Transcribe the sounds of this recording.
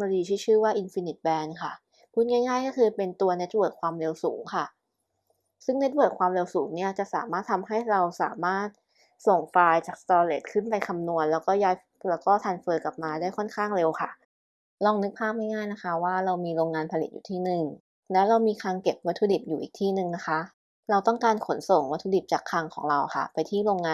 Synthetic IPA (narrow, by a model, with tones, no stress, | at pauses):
ma˧liː˧t͡ɕʰiː˥˩t͡ɕʰɯː˥˩waː˥˩ʔi˧nfi˧ni˨˩t̪̚bɛː˧nkʰa˥˩ | kʰu˥˩nŋa˥˩jŋaː˥˩jkɔː˥˩kʰɯː˧pe˧nt̪u˧ɐne˦˥t̪̚wɤː˨˩t̚kʰwaː˧mɾe˧wsṵː˩˦ŋkʰa˥˩ | sɯ˥˩ŋne˦˥t̪̚wɤː˨˩t̚kʰwaː˧mɾe˧wsuː˩˦ŋni˥˩ɐt͡ɕa˨˩ʔsa̰ː˩˦maː˥˩t̪ʰːa˧mɦa˥˩jɾa˧wsa̰ː˩˦maː˥˩t̪̚ | so˨˩ŋfaː˧jt͡ɕaː˨˩k̚st̪ɔː˧lḛ˨˩t̪̚kʰɯ˥˩npa˧jkʰa˧mnu˧ənlɛː˦˥wkɔː˥˩jaː˦˥j | lɛː˦˥wkɔː˥˩t̪ʰaː˧nfɤː˧ka˨˩p̚maː˧daː˥˩jkʰɔ˥˩nkʰaː˥˩ŋɾe˧wkʰa˥˩ | lɔː˧ŋnɯ˦˥k̚pʰaː˥˩p̚ha˥˩jŋaː˥˩jna˦˥kʰa˦˥waː˥˩ɾa˧wmiː˧ɾoː˧ŋːaː˧npʰa˧li˨˩t̪̚jṵː˨˩t̪ʰiː˥˩nɯ˨˩ŋ | lɛː˦˥wɾa˧wmiː˧kʰaː˧ŋke˨˩p̚wa˦˥t̪ʰːu˧di˨˩p̚juː˨˩ʔiː˨˩k̚t̪ʰiː˥˩nɯ˨˩ŋna˦˥kʰa˦˥ | ɾa˧wt̪ɔ˥˩ŋkaː˧nkʰo˩˦nso˨˩ŋwa˦˥t̪ʰːuː˧di˨˩p̚t͡ɕaː˨˩kʰːaː˧ŋkʰɔ̰ː˩˦ŋɾa˧wxʰa̰˥˩pa˧jt̪ʰiː˥˩ɾoː˧ŋaː˧